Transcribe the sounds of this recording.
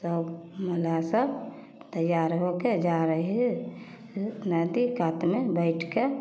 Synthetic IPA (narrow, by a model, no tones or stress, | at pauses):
səbməlasəb | t̪əjaɾɦoked͡ʒaɾəɦɛ | nəd̪ikat̪mebəɪʈʰke